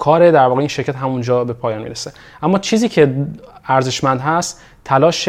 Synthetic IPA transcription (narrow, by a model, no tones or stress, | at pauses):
kʰɒːɾed̪æɾvɒːɣeinʃe̞ɾkʰæt̪ɦæmund͡ʒɒːbe̞pʰɒːjɒːnmḭːɾese | ʔæmːɒːt͡ʃʰiːziːcʰe̞æɾze̞ʃmænd̪ɦæst̪ʰ | ælɒːʃ